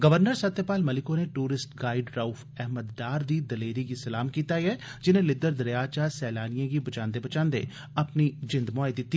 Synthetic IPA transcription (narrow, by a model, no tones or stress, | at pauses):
ɡɐʋəɾnəɾsɐt̪jəpaːlmɐlɪkõneʈuːɾɪsʈɡaːɪɖɾauf | ɛɦməd̪ːaːɾd̪id̪ɐleːɾikisɐlaːmkiːt̪aiɦɛd͡ʒɪnẽlɪd̪əɾd̪ɐɾjaːt͡ʃasɛːlaːnijãkibɐt͡ʃãːnd̪ebɐt͡ʃãːnd̪ḛ | ɐpnid͡ʒɪ̃nd̪mɔaːjd̪ɪt̪ːi